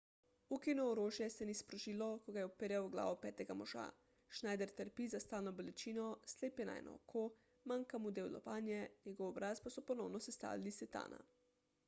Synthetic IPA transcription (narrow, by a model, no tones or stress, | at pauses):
ukinɔːɾoːʒjɛsɛnispɾɔʒiːlɔkɔɡajɛɔpeɾjawɡla̰ːʋɔpɛːt̪ɛɡamɔʒa̰ | ʃnaːjd̪ɛɾt̪əɾpizast̪aːlnɔbolɛt͡ʃiːnɔsleːpjɛna̰jnʔɔ̰ːkʰo | maŋkamud̪eːwlɔ̰paːnjɛnɛɡɔwɔbɾaspasɔpɔnɔwnɔsɛst̪a̰ːlilisɛt̪a̰ːnʔa̰